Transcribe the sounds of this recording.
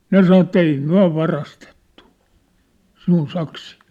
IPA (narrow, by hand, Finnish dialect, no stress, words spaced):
ne sɑno etːæ ei myæ̝ ʋɑrɑstetːu sinun sɑksiː